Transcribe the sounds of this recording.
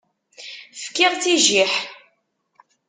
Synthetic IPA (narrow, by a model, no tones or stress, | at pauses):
fkːɪʁt͡siʒiħ